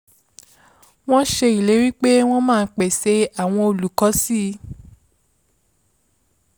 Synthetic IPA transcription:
w̃ɔ̃˦ʃe˧i˨le˨˦ɾi˦k͡pe˦w̃ɔ̃˦mãː˦˧n̩˦k͡pɛ˨se˧a˨w̃ɔ̃˧o˨lu˨kɔ˨˦si˦˨˦

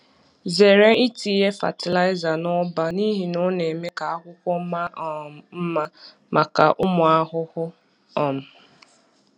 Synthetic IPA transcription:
ze˨ɾe˦i˦ti˨˦ɦe˦fa̰˨tɪ˨la˦ɪ˦za˨nɔ˦ba˦ni˦ɦi˨no˦ne˨me˦ka˨a˦kʷʊ˦kʷɔ˦ma˦m̩˦ma˦ | mʔa˨ka̰˨ʔʊ˦mʊ˨a˦ɦʊ˦hʊ˦ | ɔ˨m̩˨

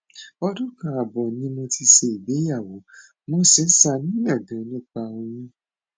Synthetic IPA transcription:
ɔ˧dũ˦˨kã˧˨a˨bɔ˨nĩ˦mõ˧ti˧ʃe˧i˨be˨˦ja˦˨wo˨˦ | mõ˦sɛ˨˦sa˧˨nĩ˨˦ɛ˦˨ɡã˨˦˧nũ˦˨k͡pa˧o˧ĩ˧˦

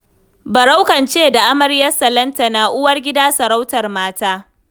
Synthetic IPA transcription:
bɐ˨ɽa˦wkɐ˨nt͡ʃeː˦da˨ʔa˦mɐ˨ɾjɐ˦sɐ˨lɐ˦nta˨naː˨ʔʊ˦wɐ˦rɡʲɪ˦daː˦sɐ˨ɾa˦wtɐ˨rmaː˦taː˦

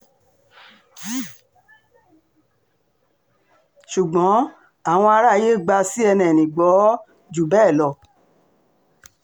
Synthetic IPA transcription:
ʃu˨ɡ͡bɔ̃˨˦ | a˦˨w̃ɔ̃˧a˧ɾa˦˨je˦˨ɡ͡ba˧si˦ɛ˧nɛ̃˨nĩ˨ɡ͡bɔ˨˦ | d͡ʒu˨bɛ˦˨lɔ˧˨

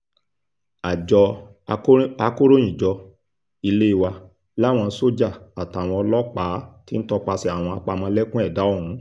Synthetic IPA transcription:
a˨d͡ʒɔ˧˦ | a˧ko˦ɾo˦j̃ĩ˦˨d͡ʒɔ˧ | i˧le˦i˦˧˨wa˧ | la˦w̃ɔ̃˧˦so˦d͡ʒa˦˨a˨ta˨˦˨w̃ɔ̃˧ɔ˧lɔ˦k͡pa˨˦ti˦n̩˦tɔ˧k͡pa˧si˧a˨w̃ɔ̃˧a˧k͡pa˧mɔ̃˧˦lɛ˦kũ˦ɛ˦˨da˨˦o˦˨hũ˨˦

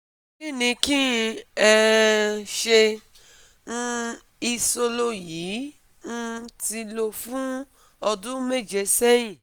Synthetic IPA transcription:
ki˦˨nĩ˧kĩ˦˧ɛ˧ | ʃe˧ | n̩˧ | i˧so˧lo˧ji˨˦ | n̩˧ti˧lo˧fũ˦ | ɔ˧dũ˦me˦˨d͡ʒe˨˧sɛ˦jĩ˦˨

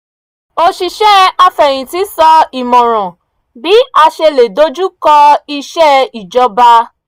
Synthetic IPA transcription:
o˧ʃi˧ʃɛ˦a˧fɛ˨j̃ĩ˨ti˨˦sɔ˧i˨mɔ̃˨ɾ̃ɔ̃˨ | bi˨˦a˧ʃe˧le˨do˨˦d͡ʒu˦kɔ˧i˧ʃɛ˦i˨d͡ʒɔ˧ba˧

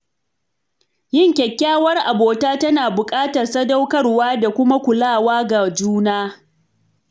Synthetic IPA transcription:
jɪ˦ŋkʲɛ˨kʲːaː˦wɐ˦rʔa˨boː˨taː˦tɐ˦naː˨bʊ˨kʼaː˦tɐ˨rsɐ˦da˦wkɐ˦rwaː˦da˨kʷʊ˦ma˦kʷʊ˨laː˦˨waː˦ɡa˨d͡ʒuː˦naː˦

